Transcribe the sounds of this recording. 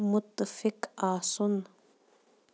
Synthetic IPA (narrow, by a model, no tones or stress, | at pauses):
mʊt̪ːfɪkasʊn